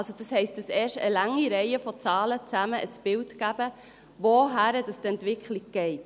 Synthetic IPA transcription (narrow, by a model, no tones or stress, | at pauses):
ɑlsod̥ɑshɛɪstdəsɛːʃtəlɑŋːiɾɛɪəfɔt͡sɑːlət͡sæməʔəsb̥ɪltɡæb̥ə | ʋoɦæɾədɑstɛntʋɪkχliɡ̚ɡ̥ɛɪt